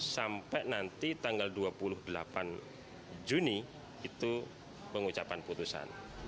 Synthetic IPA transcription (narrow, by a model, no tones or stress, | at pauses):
sampɛʔnant̪it̪aŋɡalduapulʊhdəla̰pan | d͡ʒuni | it̪u | pəŋut͡ʃapanput̪usa̰n